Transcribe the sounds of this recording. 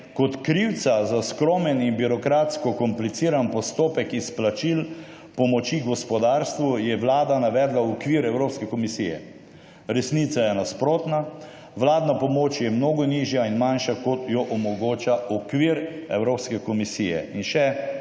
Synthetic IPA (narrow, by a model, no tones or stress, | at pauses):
kɔt̪kɾiwt̪sazaskɾomɛninbiɾɔkɾaːt̪skɔkɔmplit̪siːɾanpɔst̪oːpɛkisplat͡ʃil | pɔmɔt͡ʃiɡɔspɔd̪aːɾst̪ʋujɛʋlaːd̪anaʋɛːd̪laɔkʋiːɾɛwɾoːpskɛkɔmisijɛ̰ | ɾɛsnit̪sajɛnaspɾoːt̪na | ʋlaːd̪napɔmoːt͡ʃjɛmnoːɡɔniːʒjainmanʃakɔt̪jɔʔɔmɔɡoːt͡ʃaɔkʋiːɾɛwɾoːpskɛkɔmisiːjɛ̰inʃɛ